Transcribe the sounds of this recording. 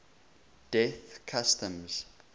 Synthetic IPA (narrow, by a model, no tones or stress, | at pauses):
d̥ɛθkʰastə̃mz̥